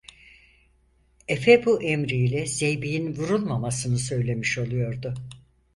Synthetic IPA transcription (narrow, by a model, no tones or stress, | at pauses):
efebuʔemɾilʲɛzejbijinvuɾulˠmamasɯnɯsø̞jlʲe̞miʃo̞lˠujo̞ɾd̪ʊ